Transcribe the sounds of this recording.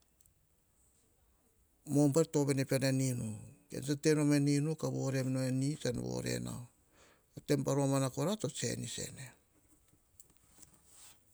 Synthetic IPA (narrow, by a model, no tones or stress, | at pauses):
mompaɾtoβenepianeninukḛnsatenomeninukaβoɾemnoenisanbo̰ɾe̞̰na̰o | ote̞mpaɾoamanakoɾatot͡ʃe̞̰nise̞̰ne